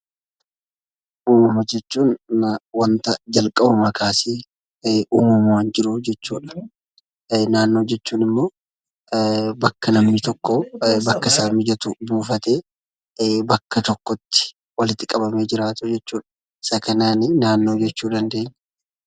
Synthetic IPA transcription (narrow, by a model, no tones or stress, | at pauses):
ʔuːmɐmɐd͡ʒɛt͡ʃːuːnwɐnt̪ɐd͡ʒɐlkʼɐbɐmɐkaːsiː | ʔuːmɐmwaːnd͡ʒɪɾʊd͡ʒɛt͡ʃːuːᶑɐ̥ | naːnːo̞ːd͡ʒɛt͡ʃːuːnɪmːo̞ː | bɐkːɐnɐmnɪt̪ɔkːɔbɐkːɐsaːmɪd͡ʒɐt̪ʊbuːfɐt̪e̞ː | bɐkːɐt̪ɔkːɔt̪ːɪ̥ | wɐlɪt̪ːɪkʼɐbɐme̞ːd͡ʒɪɾaːt̪ʊd͡ʒɛt͡ʃːuːᶑɐ̥ | sɐkɐnaːnɪnaːnːo̞ːd͡ʒɛt͡ʃːuːd̪ɐnd̪e̞ːɲːɛ̥